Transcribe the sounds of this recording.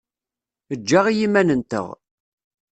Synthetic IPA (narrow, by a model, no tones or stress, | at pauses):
əd͡ʒːaʁijimːænənt̪ə̰ʁ